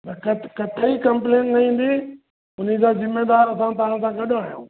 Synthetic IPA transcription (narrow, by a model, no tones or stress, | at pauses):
t̪ɐkɐkɐt̪ʰəikɐ̃mplẽːʈnɐĩːn̆d̪i | ʊn̤id͡ʑaːzɪmːeːd̪aːɾɐsãt̪̬ɐʋãsãɡɐɗoaːɦijõ̰ː